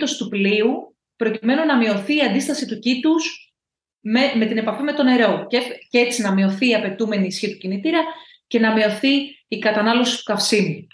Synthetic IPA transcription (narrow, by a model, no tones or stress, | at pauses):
t̪ost̪upliu | pɾo̞cime̞nunɐmio̞θiːɐnd̪ist̪ɐsit̪ucit̪us | meme̞t̪ine̞pɐfime̞t̪o̞ne̞ɾo̞cece̞t͡sinɐmio̞θiːɐpe̞t̪ume̞niːsçit̪u̥cinit̪iɾɐ | ce̞nɐmio̞θiːkɐt̪ɐnɐlo̞si̥t̪u̥k̪ɐfsinu